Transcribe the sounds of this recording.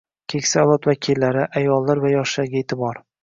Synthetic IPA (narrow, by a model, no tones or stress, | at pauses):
kʲʰekʲsalˠɒt̪vakʲʰilːaɾɪʔajɒlːaɾvajɒʃlaɾɡʲaeːt̪ʰɪbɒɾ